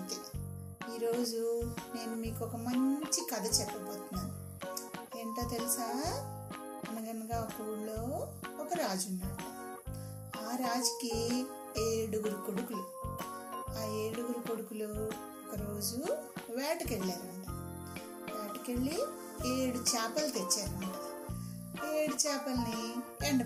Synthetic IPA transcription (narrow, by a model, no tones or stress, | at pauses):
t̪i | iːɾo̞ːd͡ʒune̞ːnumiːkɔkɐmɐɲt͡ʃikɐd̪ɐt͡ʃɛpːɐboːt̪unːaːnu | eːɳʈoːt̪elisaː | ɐnɐɡɐnɐɡaːɔkɐuɽlo̞ː | ɔkɐɾaːd͡ʒunːaːɽu | aːɾaːd͡ʒɐki | eːɽuɡuɾukoɽukulu | aːeːɽuɡuɾukoɽukulu | ɔkɐɾo̞ːd͡ʒuʋjɛːʈukeɭːaːɾɐɳʈa | ʋaːʈi̥keɭːi | eːɽut͡ʃaːpɐlt̪et͡ʃːaːɾuɐɳʈa | eːɽut͡ʃaːpɐlnieɳɖ